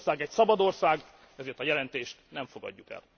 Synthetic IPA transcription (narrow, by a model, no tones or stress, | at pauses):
saːɡɛcsɒbɒd̪o̞rsaːɡ | ɛzeːrt̪ɒjɛlɛnt̪eːʃt̪nɛɱfo̞ɡɒ̰ɟːukɛ̰l